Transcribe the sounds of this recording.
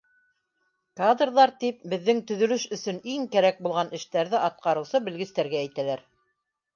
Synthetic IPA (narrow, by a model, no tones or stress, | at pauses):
kad̪rðɑɾt̪ip̚bɘ̆ðːɘŋt̪ɵ̆ðɵ̆lɵʃɵ̆sɵ̆niŋkæɾæk̚bulˠʁɑnɘ̆ʃt̪æɾðɘʔɑt̪̚qɑɾɤ̆wsɤbɘ̆lɡɘ̆st̪æɾɡæːjt̪ælæɾ